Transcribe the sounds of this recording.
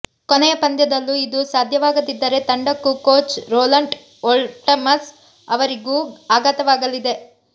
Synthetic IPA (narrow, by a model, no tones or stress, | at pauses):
konɛjɐpɐnd̪jɐd̪ɐlːuid̪usaːd̪ʱjɐʋaːɡɐd̪id̪ːɐɾe̞t̪ɐɳɖɐkːukoːt͡ʃɾoːlɐɳʈ | olʈɐmɐs | ɐʋɐɾiɡuːaːɡaːt̪ɐʋaːɡɐlid̪e̞